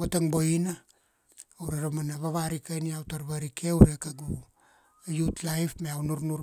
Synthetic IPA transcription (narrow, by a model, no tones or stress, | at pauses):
βataŋboinaː | wɾeɾamanaβaβaɾikajniawtaɾβaɾikewɾekaɡu | jutlajpmeawnuɾnuɾ